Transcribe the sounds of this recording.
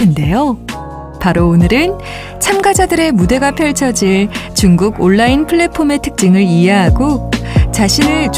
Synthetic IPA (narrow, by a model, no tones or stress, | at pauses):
ɯnde̞jo | paɾoːnɯɾɯn | t͡ɕʰamɡad͡ʑadɯɾe̞mude̞ɡapʰjʌɭt͡ɕʰʌd͡ʑiɭt͡ɕuŋɡuɡoɭːainpʰɯɭːe̞pʰome̞tʰɯ̥k̚t͡ɕ͈ɯŋɯɭiɦeɦaɡot͡ɕaɕʰinɯɭt͡ɕ